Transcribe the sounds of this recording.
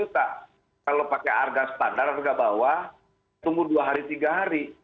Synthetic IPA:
ut̪a | kalopakea̰rɡasə̥t̪andararɡabawa | t̪umbʊduaɦaɾit̪iɡaɦaɾi

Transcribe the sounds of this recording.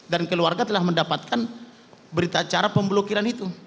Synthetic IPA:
dankəluarɡat̪əlahməndapat̪̚kʰan | bəɾit̪at͡ʃaɾapəmbəlokiɾanit̪u

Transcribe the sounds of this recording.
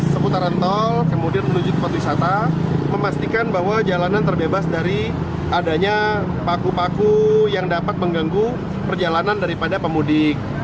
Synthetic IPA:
səput̪aɾənt̪ɔlkəmudianmənud͡ʒʊt̪̚wat̪wisat̪aməmast̪ikanbaɦwad͡ʒalanant̪ərbebasdaɾi | adaɲa | pakupakujaŋdapat̪̚məŋɡaŋɡu | pərd͡ʒalanandaɾipadapəmudɪk̚

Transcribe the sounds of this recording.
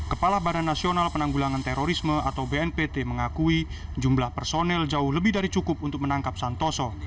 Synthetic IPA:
kəpalahbadanːasionalpənaŋɡulaŋant̪eɾoɾisməat̪awbeɛnpet̪eməŋakui | d͡ʒumblahpərsonɛld͡ʒaʊhləbɪɦdaɾit͡ʃukʊp̚unt̪ʊk̚mənaŋkap̚sant̪osɔ

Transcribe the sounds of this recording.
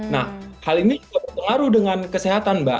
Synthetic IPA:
na̰hhalinid͡ʒuɡaʔbərpəŋaɾuhdəŋankəseɦat̪anba

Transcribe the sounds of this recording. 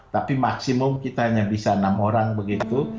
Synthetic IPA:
t̪apimaksimʊmkit̪aɦaɲabisanamoɾaŋbəɡit̪u

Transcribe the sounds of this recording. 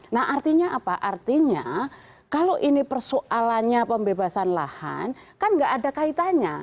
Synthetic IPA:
naɦʔart̪iɲaʔapaʔart̪iɲa | kaloʔinipərsoʔalaɲapəmbebasanlaha̰nkanŋɡaʔadakait̪aɲa

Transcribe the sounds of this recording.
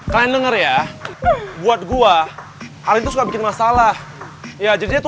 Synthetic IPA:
kɾaandəŋərja | buat̪̚ɡuahaɾint̪usukabikɪnmasalahjad͡ʒadidiat̪

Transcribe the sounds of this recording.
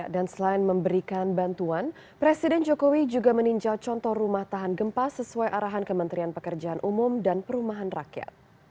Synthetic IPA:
aʔdansəlaɪnməmbəɾikanbant̪uan | pɾesidɛnd͡ʒokowid͡ʒuɡaməniɲd͡ʒalt͡ʃɔnt̪ɔhrumaht̪aɦanɡəmpasəsuajʔaɾaɦankəmənt̪ɾianpəkərd͡ʒaanʔumʊmdanpəɾumaɦanrakja̰t̪̚

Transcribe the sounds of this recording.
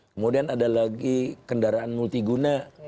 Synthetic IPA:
kəmodianadalaɡikəndaɾaʔanmult̪iɡuna

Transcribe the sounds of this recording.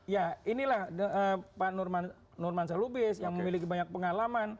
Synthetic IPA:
jainilahəpanurman | nʊrmansalubɪsjaŋməmilikibaɲak̚pəŋalaman

